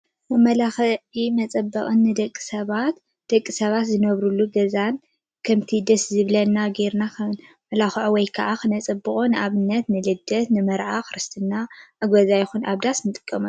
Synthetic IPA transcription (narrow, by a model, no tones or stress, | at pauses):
mɨmɐlaxɐʕimɐt͡sʼɐbːɐχʼɨnːɨd̪ɐkʼːi̥sɐβat̪ | d̪̥ɐkʼːisɐβat̪zɨnɐβɾulːuɡɐzan | kʰɐmt̪ʰid̪ɐszɨβlɐnːaɡeɾnakɐn | mɐlaxʕowɔjkʰɐʔakɨnɐt͡sʼɨbːɨkʼonɨʔaβɨnːɐt̪nɨlɨd̪ːɐt̪nɨmɐɾʕaxɨɾɨst̪ʰɨnːaʔɨɡʷozajɪxunʔaβd̪asnɨt̪ʼɨ̥kʼːɐmɐ